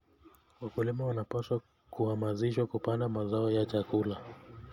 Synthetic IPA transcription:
wakulimawanapaswa | kuhamaziʃwakupandamazaɔjat͡ʃakula

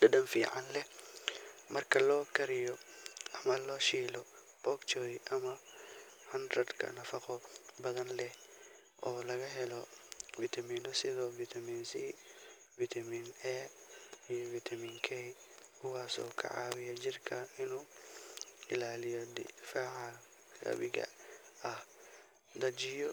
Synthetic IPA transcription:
dɐɖɐnfiːʕanlɛh | mɐrkʰɐlɔːkʰɐɾɪjɔʔɐmɐlɔːʃiːlɔ | b̥ɔkt͡ʃɔjʔɐmɐ | hɐnd̪ɾɐd̪kʰɐ̰nɐfɐqɔbɐðɐnlɛh | ʔɔːlɐɣɐɦɛlɔvit̪ʰɐmiːnɔsɪðɔːvit̪ʰɐmiːnsi | vit̪ʰɐmiːnɛ | ijɔvit̪ʰɐmiːnkʰɛj | kʰʊwaːsɔ̰ːkʰɐ̰ʕa̰ːwɪjɐd͡ʒɪrkʰɐɪnuː | ɪ̰laːlɪjɔd̪ɪ̰faːʕa | ɡɐ̰βɪɣɐ̰ɐh | d̪ɐd͡ʒɪjɔ

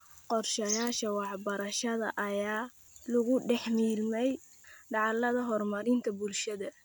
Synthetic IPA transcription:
qɔrʃɐjaːʃɐwɑħbɐɾɐʃɐðɐ̰ʔɐjaː | lʊɣʊɖɛħmiːlmɛj | ɖɑʕɑlːɐðɐɦɔrmɐɾɪnt̪ʰɐbʊlʃɐðɐ

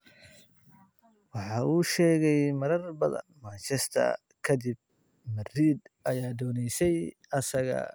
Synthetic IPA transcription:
wɑħɑːuːʃɛːɣɛjmɐɾɐrbɐðɐ̰nmɐt͡ʃɛst̪ʰɐ̰ | kʰɐd̪ɪb̚ | mɐriːd̪ɐjaːd̪ɔːnɛjsɛj | ɐsɐɣɐ̰

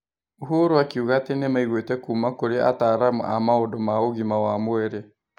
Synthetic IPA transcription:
uɦoɾoakiuɣaːtenemaiɣwetɛkuːmakoɾea̰taɾamṵʔa̰maodomaoɣimawamoɛɾe

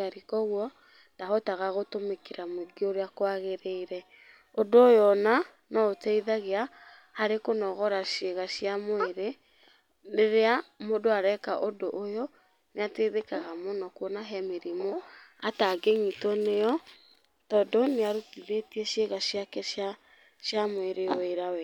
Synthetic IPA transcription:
aɾikɔɣwɔ | ndaɦɔtaɣaɣotomekeɾamweɡioɾeakwaɣeɾeiɾɛ | odoojɔna | nɔotɛiðaɣea | haɾekonɔɣɔɾaʃeɣaʃiamoeɾe | ɾeɾeamodoaɾɛka̰ʔodoʔːjɔ | neateðekaɣamɔnɔkwɔnaɦɛmeɾimɔataɡeɲitɔnejɔ | tɔdɔneaɾutiðetiɛʃeɣaʃjakɛa | ʃjamoeɾeweɾawɛ

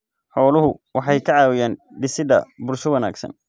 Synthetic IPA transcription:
ħɔːlʊɦʊwɑħɑjkʰɐʕɑːwɪjaːnɖɪsɪðɐ̰bʊrsɔwɐna̰ːɡsɐ̰n

